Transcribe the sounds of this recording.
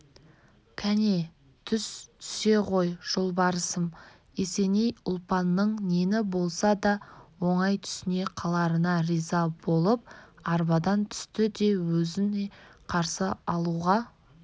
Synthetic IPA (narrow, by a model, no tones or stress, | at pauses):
kʲʰæne̞ | t̪ʰʏst̪ʰʏ̥se̞qo̞jʒ̥olˠbɑɾəsəm | ese̞nejʊlˠpɑnːəɴne̞nɪbo̞lˠsɑd̪ɑwo̞ɴɑjt̪ʰʏ̥sɪne̞qʰɑlˠɑɾənɑɾijzɑb̥o̞lˠəp̚ɑɾbɑd̪ɑnt̪ʰʏ̥st̪ɪd̪e̞wɵzɪneqʰɑɾsəɑlˠuʁɑ